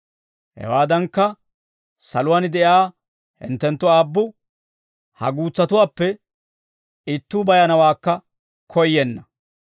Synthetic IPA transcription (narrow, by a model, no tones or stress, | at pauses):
hɛ̰waːd̪ɐŋkːɐ | sɐlʊwaːnɪd̪ɛʔjaː | hɪ̰nt̪ːɛnt̪ːʊaːbːʊ | hɐ̰ɡuːt͡sːɐt̪ʊwaːpːɛ | ɪt̪ːuːbɐjɐnɐwaːkːɐ | kʰɔjːɛnːɐ